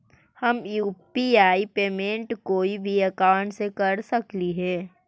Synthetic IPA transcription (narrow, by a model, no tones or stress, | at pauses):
hɐmjuːpiaːipeːmẽːɳʈkoːibʱiɐkãːʊɳʈsekɐɾsɐkliɦɛː